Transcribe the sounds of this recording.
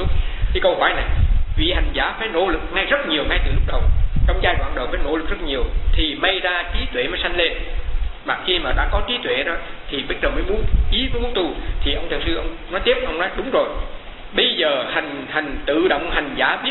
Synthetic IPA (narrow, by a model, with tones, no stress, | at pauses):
ʊ˦˥k͡p̚ki˧˨˦kə˧wɦɔ̰ː˧˩˦jna˨˩jvḭ˧˨ha˨˩jŋ̟zaː˧˩˦faː˧˩˦jno̰˧˥lɨ˨˩k̚ŋa˧jzə˦˥t̚ɲi˨˩əwŋa˧jt̪ɨ˨˩lʊ˦˥k͡p̚ɗə˨˩wt͡ɕɔ˧wŋ͡mzaː˧jkwaː˧˩nɗo̰˨˩faː˨˩jno̰˧˥lɨ˨˩k̚z̥ə˦˥t̚ɲi˨˩əwt̪ʰi˨˩ma˧jzaː˧t͡ɕi˨˦t̪wḛ˧˨maː˨˩jsa˧jŋ̟le˧nmaː˨˩xi˧maː˨˩ɗa̰ː˧˥kɔ˨˦t͡ɕi˨˦t̪wḛ˧˨ɗɔ˨˦t̪ʰi˨˩ɓə˧˦˥t̚zəː˨˩məː˨˦jmu˨˦ənt͡ɕi˨˦məː˨˦jmu˨˦ənt̪u˧˩t̪ʰi˨˩ʔə˧wŋ͡mt̪i˨˩wsɨ˧ʔə˧wŋ͡mnɔ˨˦jt̪i˦˥əp̚ʔə˧wŋ͡mnɔ˨˦jɗʊ˨˦ŋ͡mzo˨˩j | ɓə˧jzəː˨˩ha˨˩jŋ̟ha˨˩jŋ̟t̪ɨ̰˧˨ɗo̰˧˨wŋ͡mɦa˨˩jŋ̟zaː˧˩ɓi˦˥